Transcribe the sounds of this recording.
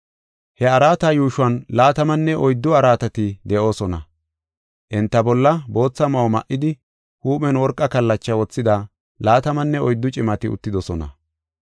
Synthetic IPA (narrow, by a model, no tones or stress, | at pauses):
hɛɐɾaːt̪ɐjuːʃʊɐnlaːt̪ɐmɐnːɛʔɔjd̪ːʊɐɾaːt̪ɐt̪ɪd̪ɛʔo̞ːsɔnɐ̰ | ʔɪnt̪ːɐbɔlːɐbo̞ːt͡sːɐmɐwmɐ̰ʔːɪd̪ɪ | huːmɛnwɔɾkʼːɐkɐlːɐt͡ʃːɐwɔt͡sːɪd̪ɐ | laːt̪ɐmɐnːɛɔjd̪ːʊt͡ʃʼɪmɐt̪ɪʊ̰t̪ːɪd̪ɔsɔnɐ̰